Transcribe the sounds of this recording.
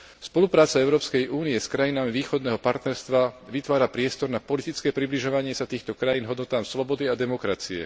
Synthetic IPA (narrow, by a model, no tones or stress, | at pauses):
spɔlupɾaːt͡saɛʊɾɔːpskɛjʔuːniɛskɾajinamiʋiːxɔd̪nɛːɦɔpaɾt̪nɛɾst̪ʋaʋit̪ʋaːɾapɾɪɛst̪ɔɾnapɔlit̪it͡skɛːpɾibliʒɔʋaɲɪɛsat̪iːxt̪ɔkɾajiːnɦɔd̪nɔt̪aːmslɔbɔd̪iad̪ɛmɔkɾat͡siɛ̰